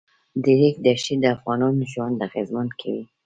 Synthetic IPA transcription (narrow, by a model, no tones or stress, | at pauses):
d̪ɪɾikd̪aʃid̪əafɣɑnɑnʒwand̪aɣezmankʰawi